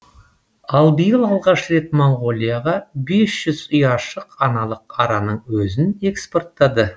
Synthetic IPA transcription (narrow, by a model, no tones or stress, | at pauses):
ɑlˠbijəlˠɑlˠʁɑʃre̞t̪moɴʁo̞lʲˠijaʁɑbe̞sʒ̥ʏzʊjɑʃəqɑnɑlˠəqɑɾɑnəɴwɵzɪne̞kspo̞rt̪ːɑd̪ə